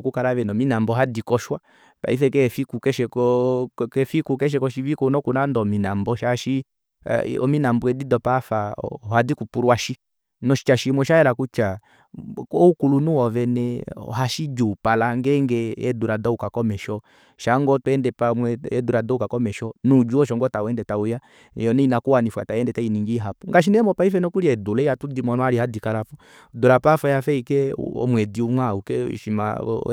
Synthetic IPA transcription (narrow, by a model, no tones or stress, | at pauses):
kukalavɛnɔminambɔɦadikɔʃwa | pa̰ifɛkɛfikukɛʃɛkɔkɛfikukɛʃ̬ɛkɔʃivikɔnɔkunandɔminambɔʃaʃḭ | ɔ̰minambuɛdidɔpafa̰ɔhadikupuɾwaʃi | nɔʃi̥t͡ʃaʃimwɛʃaɛlakut͡ʃa | ɔukulunuɔvɛnɛɔ̰haʃid͡ʒupalaŋɡɛŋɡɛɛduɾadɔukakɔmɛʃɔ | ʃaŋɡɔtwɛndɛpamwɛɛduɾadɔukakɔmɛʃɔnud͡ʒuɔʃ̬ɔŋɡɔtawɛndɛtauja | jɔnɛinakuwanifwa̰tajɛndɛtainiŋɡiɦapuŋɡaʃ̬inɛɛmɔpaifɛnɔkuɾiɛdulɛiatudimɔnɔaɾihadikalafu | dulapafajafɛikɛ̰ɔ̰mwɛdiumwaukɛ̰ʃima̰